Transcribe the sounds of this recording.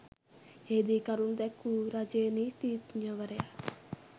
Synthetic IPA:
eːd̪ikɐɾund̪ɛkːuɾad͡ʒeːnit̪it̪ɲɐʋɐɾea

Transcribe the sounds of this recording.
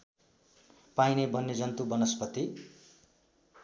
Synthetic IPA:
pajnebʱʌnːed͡zʌnt̪ubʌnʌspʌt̪i

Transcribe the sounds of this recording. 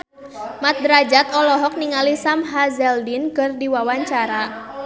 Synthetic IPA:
mat̪̚dɾad͡ʒat̪ɔlɔɦɔk̚niŋalisamɦazɛldinkərdiwawaɲt͡ʃaɾa

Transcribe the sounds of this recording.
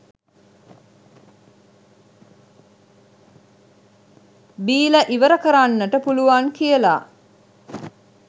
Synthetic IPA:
biːləʔiʋəɾəkəɾaːnːəʈəpuluʋaːŋkijəla̰ː

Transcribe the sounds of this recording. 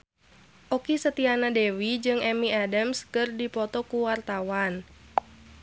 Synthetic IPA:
ʔɔkisət̪ianadɛwid͡ʒɨŋɛmiadəmskɨrdipɔt̪ɔkuwart̪awan

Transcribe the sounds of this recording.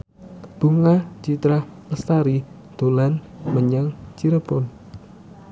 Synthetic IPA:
b̥uŋat͡ʃit̪ɾah | əst̪aɾi | d̪̥o̤lan | məɲaŋt͡ʃiɾəbɔn

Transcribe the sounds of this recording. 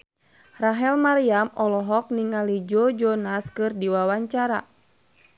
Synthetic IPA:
raɦɛlmaɾiamɔlɔɦɔk̚niŋalid͡ʒɔd͡ʒɔnaskɨrdiwawaɲt͡ʃaɾa̰

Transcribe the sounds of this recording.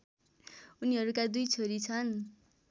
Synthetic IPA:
uniɦʌɾukad̪ujt͡sʰoɾit͡sʰʌn

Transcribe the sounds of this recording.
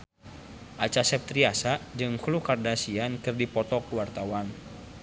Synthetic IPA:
ʔat͡ʃasɛp̚t̪ɾiasad͡ʒɨŋhlukardasiankɨrdipɔt̪ɔkuwart̪awan

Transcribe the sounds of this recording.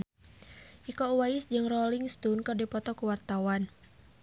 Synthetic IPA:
ʔikɔuwaisd͡ʒɨŋrɔliŋst̪unkərdipɔt̪ɔkuwart̪awan

